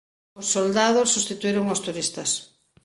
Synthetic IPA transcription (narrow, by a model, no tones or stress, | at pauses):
ʊsːold̪aðosːust̪it̪uiɾoŋost̪uɾist̪ɐs